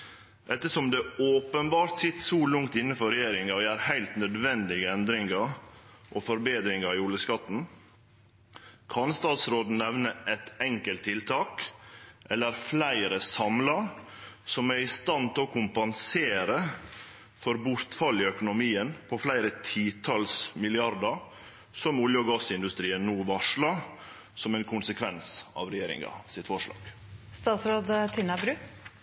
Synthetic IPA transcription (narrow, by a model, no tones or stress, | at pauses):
ʔɛt̪ːəʂɔmd̪ɛoːpənbɑːɾt̪sɪt̪ːsulʊŋkt̪ɪnːəfɔɾɛjeːɾɪŋɑʋɪæɾhæɪlt̪nœd̪ʋɛnd̪ɪɡəɛnd̪ɾɪŋɑʔɔfɔɾbeːd̪ɾɪŋɑɾɪuləskɑt̪ːn̩ | kʰɑnst̪ɑːt̪sɾoːd̪n̩nɛʋnəʔɛt̪ɛŋkəlt̪ʰːɪlt̪ʰɑːkʔɛlːəɾflæɪɾəsɑmlɑɾsɔmæɾɪst̪ɑnt̪ʰɔkʰʊmpɑnseːɾə | fɔɾbʊɾt̪fɑlːɪœkʊnʊmiːənpʰɔflæɪɾət̪ʰiːt̪ʰɑlsmɪlɪɑɾd̪əɾ | sɔmʊljʊɡɑːsɪnd̪ʉst̪ɾiːənnuːʋɑʂɭɑ | sɔmɛɪnkʰʊnsəkʰʋɛnsɑ̰ːʋɾɛjeːɾɪ̰ŋɑ̰sɪt̪fɔʂɭɑ̰ːɡ̥ | st̪ɑːt̪sɾoːd̪ət̪ʰɪnɑbɾʉː